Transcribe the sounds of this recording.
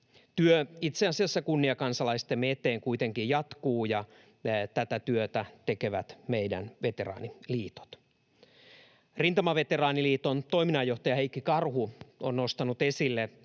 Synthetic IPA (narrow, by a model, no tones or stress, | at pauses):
t̪yøit̪seɑsiɑsːɑkunːiɑkɑnsɑlɑist̪emmet̪ˑeːŋkuit̪eŋkijjɑt̪kuːjɑ | t̪æt̪æt̪yøt̪æt̪ekeʋæt̪meidæ̰nʋet̪erɑ̰ːniliːt̪o̥t̪ | rint̪ɑmɑʋet̪erɑːniliːt̪ont̪o̞iminɑjːoht̪ɑjɑheikːikɑrhuonnost̪ɑnut̪esilːe